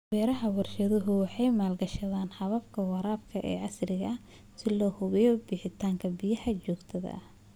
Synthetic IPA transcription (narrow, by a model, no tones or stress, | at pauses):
wɛːɾɐɦɐwɑrʃɐðʊɦʊwɑħɑjmaːlɡɐʃɐðaːnħɑβɐbkʰɐwɑɾaːbkʰɐʔɛ̰ːʕɑsrɪɣɐɐ | sɪlɔːhʊβɛjɔbɪːħɪt̪ʰaːŋkʰɐbɪjɐħɐt͡ʃɔːɡt̪ʰɐðɐ̰ɐ